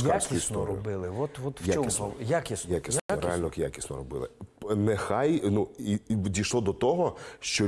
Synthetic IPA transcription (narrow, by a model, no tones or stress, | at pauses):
jakʲiisnɔɾɔbɪlˠɪʋɔt̪ʋɔt̪jat͡ʃɔmjakʲisjakʲisɾḛalʲnɔkja̰kʲisnɔ̰ɾɔbɪ̰lˠɪ̰nɛxɑjnuidʲijʃlˠɔd̪ɔt̪ɔɦɔʃt͡ʃɔ